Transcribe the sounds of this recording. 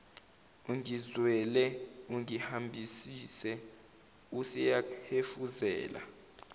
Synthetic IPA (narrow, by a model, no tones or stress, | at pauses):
uŋizwɛlɛuŋihambʱisisɛ | usɛjahefuzɛ̰ːla̰